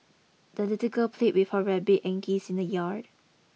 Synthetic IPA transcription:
d̥əlitikəlpʰleʔ̚wifɔɹɛbiʔɛ̃ŋkisĩndəjaɹd

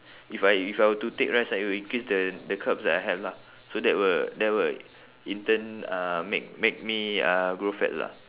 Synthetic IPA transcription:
ifajifajwətutek̚ɹasawiĩŋkɹisdədəkʰapsdɛtajɦɛvla | sodɛt̚wədɛt̚wə | ĩntə̃namḛk̚mek̚miaɡɹofɛ̰tla̰

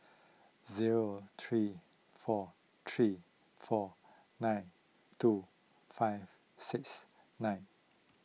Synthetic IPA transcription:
ziɹot̪ʰɹi | fɔ | t̪ʰɹi | fɔ | nãɪ̃n | tu | faɪv | siks | nãj̃n

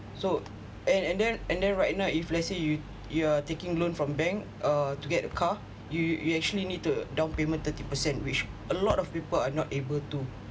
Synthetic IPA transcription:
so | ɛ̃nɛ̃ndɛ̃nɛ̃ndɛ̃nɹaɪt̚nawiflaseju | juatekĩŋlõnfɹɔ̃mbɛ̃ŋk | ətuɡɛtəkʰa | jujuɛk̚t͡ʃuəlinid̚tudãw̃npemə̃nt̪ətipəsɛ̃ntwit͡ʃʔəlɔtɔfpipəlanɔtebəltu

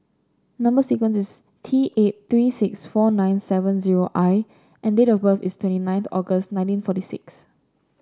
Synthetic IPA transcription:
nãmbəsikwə̃nsɪs | tʰiʔet̚θɹisɪksfɔnãɪ̃nsɛvə̃nziɹoʔaɪ | ʔɛ̃ndetɔfbəθistʰwɛ̃ntinãɪ̃nθɔɡəstnãɪ̃ntĩnfɔtisɪ̰ks

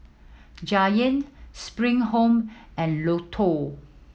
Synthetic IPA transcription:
d͡ʒajə̃ntspɹĩŋɦõmɛ̃nlotʰɔ

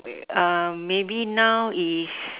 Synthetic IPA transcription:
ʌmːebinawis

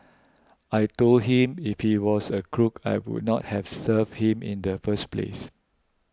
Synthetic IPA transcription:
ajtold̚ɦĩmifhiwɔsəkʰɹukʰa̰jwṵd̚nɔt̚hɛfsəvhĩmḭ̃ndəfəsplḛs

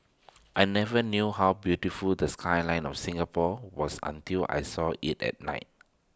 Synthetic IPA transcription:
ʔajnɛvənjuhawbjutifuldəskʰajlãɪ̃nɔ̰fsĩŋəpʰɔwɔsã̰ntilʔa̰jsɔitɛ̰t̚na̰ɪt̚

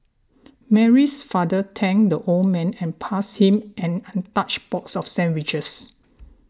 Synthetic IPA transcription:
mɛɹisfadətʰɛ̃ŋdəʔolmɛ̃nɛ̃npʰashĩmɛ̃nãntat͡ʃbɔtsɔfsɛ̃nwit͡ʃəs

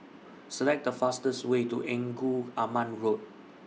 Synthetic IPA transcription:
səlɛk̚dəfastəswetuʔɛ̃ŋɡuamãnɹot̚

